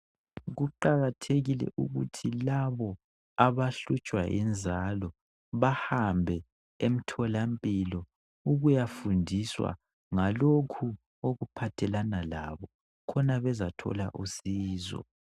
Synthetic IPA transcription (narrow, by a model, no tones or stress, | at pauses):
ɣuǃaɣatʰeɣilɛ̰ʔuɣutʰilaβɔ | aβaɬut͡ʃʼwa̰ʔɛ̰nd͡zʱalɔ | βahambʱɛ | em̩tʰɔlampʼilɔ | uɣujafundʱiswa̰ | ŋalokʰu | oɣupʰatʰɛlanala̰βɔ | kʰɔnaβɛzatʰɔ̰la̰ʔusiːzɔ̰